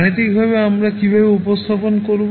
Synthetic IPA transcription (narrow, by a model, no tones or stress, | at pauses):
ñit̪ikbʱabeamɾakibʱabeupɔst̪ʰɔpɔnɔkoɾub